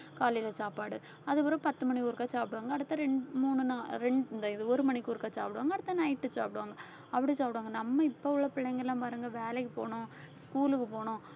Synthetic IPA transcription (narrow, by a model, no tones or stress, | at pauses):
kaːlilɐsaːpaːɽɯ | ɐðɯpɔɾɐ̃pɐt̪ːɯmɐɳikʊɾɯkːaːsaːpɪɽɯʋaːŋɡɐːɽɯt̪ːɐɾɛɳɖmuːnɯnaɾɛɳɖɪnd̪ɐɪðɯɔɾɯmɐɳɪkːʊɾɯkːaːsa̰ːpɪɽʋaːŋɡɐɽɯt̪ːɐnɐɪʈːɯsa̰ːpɪʈɯʋaːŋɡɐ | ɐpːɐɽisaːpɪʈʋaːŋɡɐnɐmːɐɪpːoʊɭːɐpɪɭːɛŋɡɐlːãːmpɐɾɯŋɡɐʋeːlɛkːɯpo̰ːɳʊ̃ | skuːlɯkːɯpoːɳʊ̃